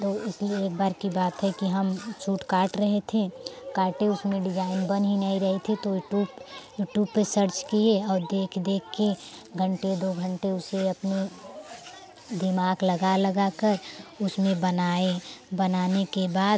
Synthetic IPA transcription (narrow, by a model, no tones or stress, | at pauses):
t̪oɪslieeːk̚baːɾkibaːt̪ɦɛkiɦəmt͡ʃʰuːʈkaːʈɾəɦet̪ʰekaːʈẽʊsmẽɖɪd͡ʒaːɪnbənɦinəiɾɐɦet̪ʰit̪ojuʈjuːbjuːʈjuːb̚pesəɾt͡ʃkieɔːɾd̪eːkʰd̪eːkʰke | ɡʱə̃ɳʈed̪oːɡʱə̃ɳʈeʊseɐpne | d̪ɪmaːɡlɐɡalɐɡakəɾʊsmẽbənaebɐnaːnekebaːd̪